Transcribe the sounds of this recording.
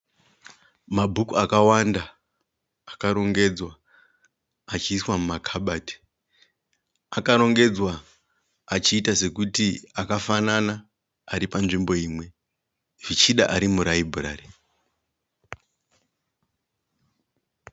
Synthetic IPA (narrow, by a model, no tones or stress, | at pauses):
mabʱukuakawandaː | kaɾo̞ŋɡe̞d͡zwa | t͡ʃiːswamumakʰaɓaːti̥ | akaɾo̞ŋɡe̞d͡zwaː | t͡ʃiːtase̞kutiakafanana | aɾipanʐimbo̞iːmwe̞ | ʐ̥it͡ʃiɗaʔaɾimuɾaibʱura̰ːre